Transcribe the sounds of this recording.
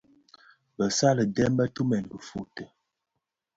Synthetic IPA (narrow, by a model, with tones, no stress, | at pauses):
bə˨sa˦lə˨dɛ˦m˦bə˦tu˦mɛ˨n˨bə˨fu˨tə˨